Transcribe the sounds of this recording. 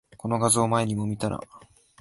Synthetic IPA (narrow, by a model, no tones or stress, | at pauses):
ko̞no̞ɡazɨːmae̞ɲ̟imo̞mʲit̪aɾa̰